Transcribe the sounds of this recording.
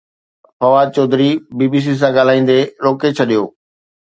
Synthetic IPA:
fɐʋaːd̪̚t͡ɕɔːd̪ɪɾibiːbiːs̬is̬ãɡaːl̤aːĩːn̆d̪eɾoːket͡ɕʰɐɗijoː

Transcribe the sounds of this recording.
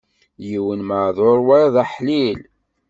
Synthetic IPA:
jiwənməʕðˤoɾˤwæðˤæħlil

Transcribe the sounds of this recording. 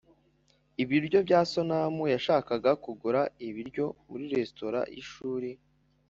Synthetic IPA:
iβiɾɟo̞bɟaːso̞namujaʃaːkaɡakuɡuɾaiβiɾɟo̞muɾiɾe̞sto̞ɾa̰ʔḭʃuːɾi

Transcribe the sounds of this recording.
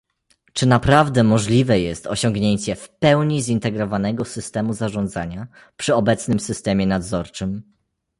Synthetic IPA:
t͡ʂɘnapɾavd̪ɛmɔʐlʲivɛjɛst̪ɔɕɔŋɡɲeɲt͡ɕɛfpɛwɲizint̪ɛɡɾɔvanɛɡɔsɘst̪ɛmuzaʐɔnd̪zaɲa | pʂɘɔbɛt̪snɘmsɘst̪ɛmʲjɛnad̪zɔɾt͡ʂɘm

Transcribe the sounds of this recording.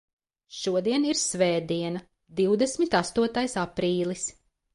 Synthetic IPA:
ʃuɔd̪iɛniɾsvɛːd̪iɛnɐ | d̪iwd̪ɛsmit̪ast̪uɔt̪ajsapɾiːlˠis

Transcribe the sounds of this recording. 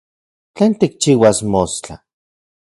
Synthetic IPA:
t͡ɬeːnt̪ik̚t͡ʃiːwasmost͡ɬa̰

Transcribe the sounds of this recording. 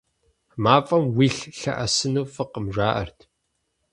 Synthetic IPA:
maːfʼɐmwiːɬɬɐ̰ʔɐsɨnuːfɨqəmʒʷaːʔɐ̰rtʰ

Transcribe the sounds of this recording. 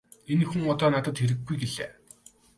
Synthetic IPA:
enxuŋɔt̪ɔːnat̪ə̆t̪xeɾɘ̆ɡːujɡeɮḛː

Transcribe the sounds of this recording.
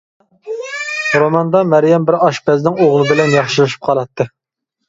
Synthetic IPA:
ɾomɑnd̪ɑmæɾjɛmbɪɾɑʃbɛznɪŋoʁlˠɨbɪlɛnjɑχʃilˠɨʃi̥p̚qʰɑlˠɑt̪ʰːɨ

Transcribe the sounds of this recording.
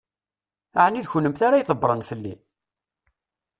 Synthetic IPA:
aʕniðçəlːəmθaɾajθˤəbːɾˤənfəlːi

